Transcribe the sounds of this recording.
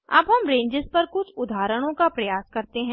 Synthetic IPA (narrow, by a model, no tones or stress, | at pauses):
ɐ̰bɦɐmɾẽːɲd͡ʒɪzpɐɾkʊt͡ʃʰʊd̪ʱaːɾəɽ̃õkapɾɐjaːskɐɾt̪eɦɛ̃ː